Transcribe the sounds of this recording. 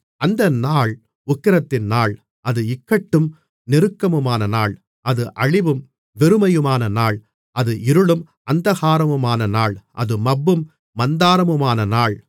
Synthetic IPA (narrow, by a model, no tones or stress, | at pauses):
ɐnd̪ɐnaːɭ | ʊkːɪɾɐt̪ːɪnnaːɭ | ɐðɯɪkːɐʈːɯm | nɪɾɯkːɐmɯmaːnɐnaːɭ | ɐðɯʔɐɻɪʋɯm | ʋɛɾɯmɐjɯmaːnɐnaːɭ | ʔɐðɯʔɪɾɯɭɯm | ɐnd̪ɐɣaːɾɐmɯmaːnɐnaːɭʔɐ̰ðɯmɐbːɯmː | ɐnd̪aːɾɐmɯmaːnɐnaːɭ